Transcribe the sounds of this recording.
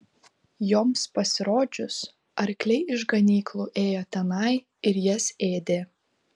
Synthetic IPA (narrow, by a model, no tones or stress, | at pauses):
joːmspɐsʲɪɾoːd͡ʒʲʊs | ɐɾʲklʲɛɪɪʒɡɐnʲiːklˠuːʔeːjoːt̪ʲɛnɐɪ | ɪɾjɛseːd̪ʲeː